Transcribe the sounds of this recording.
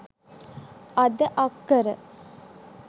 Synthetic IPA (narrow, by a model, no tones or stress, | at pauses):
ad̪əʔakːəɾə̰